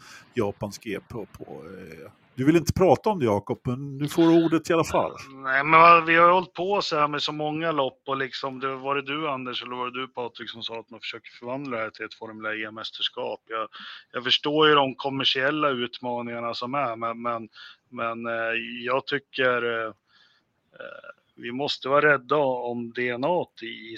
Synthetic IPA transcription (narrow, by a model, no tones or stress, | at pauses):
jɑːpanskeːpʰɔpʰɔ̰ | d̪ɵvɪlɪnt̪ə̥pʰɾɑːt̪aɔmd̪ɛjɑːkɔpːmɛnːʉ̟foːɾuːɖət̪ɪalafa̰lːnnɛɪmɛnvavɪhajhɔlt̪̚pʰɔsɛamɛsɔmɔŋːalɔpːɔlɪksɔmd̪ɛvɑːɾəd̪ɵand̪əʂɛlːəɾvɑːɾəd̪ɵpʰɑːt̪ɾɪksɔmsɑːat̪̚manfə̥ʂøːkəɾfœɾvand̪laɾɛhæːʈʰɪlɛt̪fɔɾmlaemɛst̪əʂkɑ̰ːpjɑːjɑːɡfœʂʈoːjɵd̪ɔmkʰɔmːæʂɪɛlːaʉ̟ːt̪mɑːnɪŋaɳasɔmæmɛnmɛn | mɛnjɑːɡt̪ʰʏkːəɾ | vɪmɔst̪əvɑːɾɛd̪ːaɔmd̪ɛɛnɑːt̪ɪ